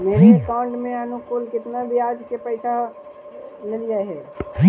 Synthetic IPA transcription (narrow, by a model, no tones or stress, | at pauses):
meːɾekaːʊ̃ɳʈmẽənʊkʊlkɪt̪nabʱiaːd͡ʒkepəɪsa | ləlijaɦɛː